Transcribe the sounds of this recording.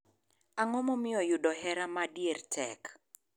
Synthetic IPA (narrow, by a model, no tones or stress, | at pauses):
aŋɔmɔmɪɔjʊdɔɦɛɾamadjertʰɛk